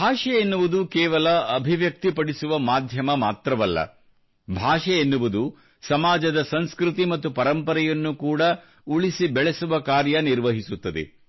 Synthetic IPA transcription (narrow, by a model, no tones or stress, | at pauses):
bʱaːʂɐenːuʋud̪ukɛːʋɐlɐɐbʱiʋjɐk̚t̪ipɐɽisuʋɐmaːd̪ʱjɐmɐmaːt̪ɾɐʋɐlːɐ̰ | bʱaːʂɐenːuʋud̪u | sɐmaːd͡ʒɐd̪ɐsɐnskɾit̪imɐt̪ːupɐɾɐmpɐɾɐjɐnːukuːɽɐ | uɭisibɛɭesuʋɐkaːɾjɐniɾʋɐɦisut̪ːɐd̪ḛ